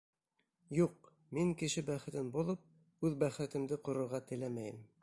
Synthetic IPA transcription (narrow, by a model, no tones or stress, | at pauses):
juq̚ | miŋkɘ̆ʃɘbæχɘ̆t̪ɘnbulˠɤp̚ | ʉðbæχɘ̆t̪ɘ̆md̪ɘqŏɾŏɾʁɑt̪ɘ̆læmæjɘm